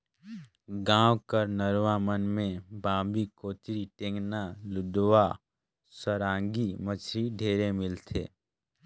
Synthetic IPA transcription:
ɡãːwkəɾnəɾʋamənmẽbãːbikoːt̪ɾiʈẽːŋɡnalʊd̪wa | səɾãːŋɡimət͡ʃʰɾiɖʱeːɾemɪlt̪ʰḛː

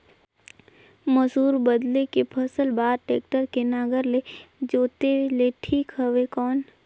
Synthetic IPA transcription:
məsuːɾbəd̪lekepʰəsəlbaːɾʈeːk̚ʈəɾkenaːɡəɾled͡ʒoːt̪eleʈʰiːkɦəʋekɔːn

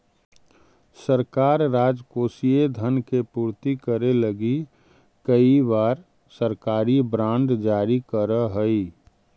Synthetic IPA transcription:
səɾkaːɾːaːd͡ʒkoːsied̪ʱənkepuːɾt̪ikəɾeləɡi | kəibaːɾ | səɾkaːɾibɾãːɳɖd͡ʒaːɾikəɾəɦəi

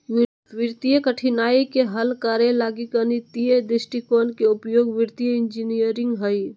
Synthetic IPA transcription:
ʋɪɾt̪ijəkəʈʰinaːikeɦəlkaːɾelaːɡikənit̪ijed̪ɪsʈikoːnkeʊpjoːɡʋɪɾt̪ijəɪnd͡ʒinijəɾɪ̃ŋɡɦəi

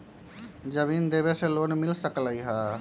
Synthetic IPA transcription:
d͡ʒəʋiːnd̪eːbeseloːnmɪlsəkləiɦaː

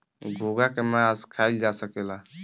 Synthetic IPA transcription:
ɡʱoɡakemaskʰaild͡ʒasəkela

